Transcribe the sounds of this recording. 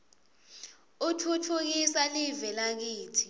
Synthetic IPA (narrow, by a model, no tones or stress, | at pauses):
utʰutʰuk̬isalivɛlak̬iːtʰi